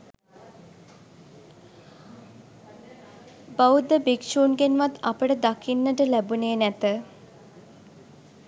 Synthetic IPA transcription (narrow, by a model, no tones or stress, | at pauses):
baud̪əbikʃuːnɡenʋat̪ːa̰pəʈəd̪akʰinːəʈəlæbuneːnæt̪ə